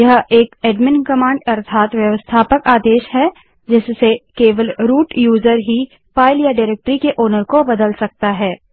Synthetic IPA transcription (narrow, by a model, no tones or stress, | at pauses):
jɐɦeːkeːɖmɪnkɐmãːɳɖɐɾt̪ʰaːt̪ʋjɐʋəst̪ʰaːpəkaːd̪eːʃɦɛ | d͡ʒɪsːekeːʋəlɾuːʈjuːzəɾɦi | paːɪljaɖaɪɾeːk̚ʈəɾikeʔoːnəɾkobɐd̪əlsɐk̚t̪aɦɛː